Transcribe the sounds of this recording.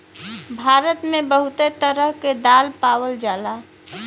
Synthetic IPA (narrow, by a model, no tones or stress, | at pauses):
bʱaːɾət̪mẽbəɦut̪et̪əɾəɦked̪aːlpaːwəld͡ʒaːla